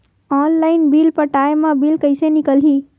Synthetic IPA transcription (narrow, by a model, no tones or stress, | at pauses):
ɔːnlaɪnbilpəʈaemãbilkəɪsenɪkəlɦi